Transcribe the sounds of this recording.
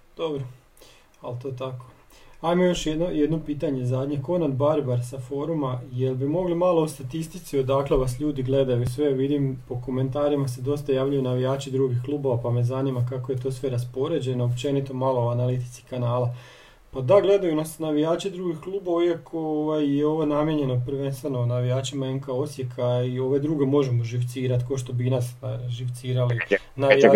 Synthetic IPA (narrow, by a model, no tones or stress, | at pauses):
d̪̥o̞bɾo | alt̪o̞t̪ako | ajmojo̞ʃjed̪nojed̪nopiːt̪aɲe̞zaːd̪ɲeko̞nad̪baɾbaɾsafo̞ːɾumajelbimo̞ɡlimalˠoust̪at̪ist̪it̪sio̞d̪akleʋasʎuːd̪iɡle̞d̪ajuisʋe̞ʋid̪impo̞ko̞me̞nt̪aːɾimas̬e̞d̪o̞st̪ajaːʋʎaujunaʋijaːt͡ʃid̪ɾuːɡixklˠuːbo̞ʋapame̞zaniːmakakoje̞t̪o̞sʋe̞ɾaspo̞ɾe̞d͡ʑe̞noopt͡ʃe̞nit̪o̞malˠooanalit̪i̥t̪si̥kanaːla | pad̪aɡle̞d̪ajunasnaʋijaːt͡ʃid̪ɾuːɡixklˠuːboʋaiakʰooʋajjeo̞ʋonamjeɲe̞no̞pɾʋe̞nst̪ʋeno̞naʋijaːt͡ʃimaenkao̞sje̞kʰaio̞ʋe̞d̪ɾuɡe̞mo̞ʒe̞moʒiʋt̪siːɾat̪koʃt̪o̞binasʒiʋt̪siːɾali | nai